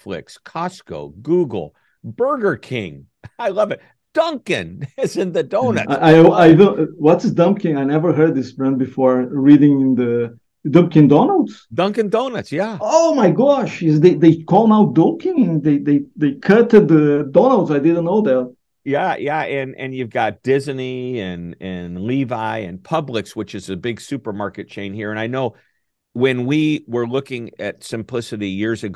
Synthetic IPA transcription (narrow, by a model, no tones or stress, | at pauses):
flɪ̰kskʰɑsko̰ʊɡuɡl̩ˠ | b̥ɜ˞ɡə˞kʰɪ̰̃ŋ | aɪlʌvɨt̚ | d̥ʌ̃ŋkɨ̰̃nɪzɨ̃nðɨdõʊ̃nɨ̰ʔaɪaɪivə̃nwʌtɪsdʌ̃mkɪ̃ŋaɪnɛvə˞ɦɜ˞d̪̚ðɪsbɹɛ̃n̚bɨfɔɹɹiɾɪ̃ŋ̃nðɨ | dʌ̃mp̚kɪ̃ŋdɔ̃nəl̩ˠdsd̥ʌ̃ŋkɨ̃ndõʊ̃nɨ̰tsjæoʊmaɪɡɑʃɪzðeɪd̪eɪkʰɔlˠnaʊdʌ̃ŋkɪ̃ŋɨ̃nðeɪðeɪðeɪkʰʌtɨd̪̚ðədɔnəl̩ˠdsaɪdɪdⁿn̩noʊðæt̚ | jæjæɨ̃nɨ̰̃njʉvɡɑt̚d̥ɪzniɨ̃nɨ̃nlivaɪɨ̰̃npʰʌblɨkswət͡ʃɨzɨbɪɡ̥sʉpə˞mɑɹkɨt̚t͡ʃʰẽɪ̃nhiɹɨ̃naɪnoʊ | wɨ̃nwiwə˞lʊkɪ̃ŋɨtsɨ̃mpʰl̥ɪsɨɾijɪɹzɨɡ